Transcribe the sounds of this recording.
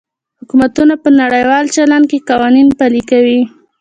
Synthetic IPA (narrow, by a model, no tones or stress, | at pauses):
hhʊkumat̪unapənaɽəjwɑlt͡ʃaland̪̚keqɑwɑninpalikawi